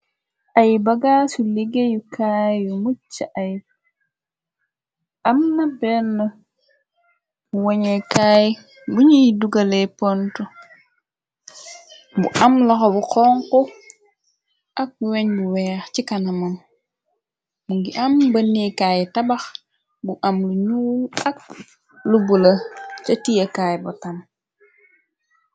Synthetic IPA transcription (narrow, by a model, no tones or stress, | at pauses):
ʔajbɐɡaːsuliɡejukʰajumut͡ʃːaʔaj | ʔɐmnɐbɛnːɐ | uwoɲekaːj | buɲiduɡalepontu | bṵʔamlɐxobuqɔːŋku | ʔɐk̚buweɲbuwɛːxcikanɐmɐm | muŋɡiʔɐmbɐnːikajitɐbɐx | buʔɐmluɲuːlɐk̚ | lubulɐt͡ʃɐtijekaːjbutɐm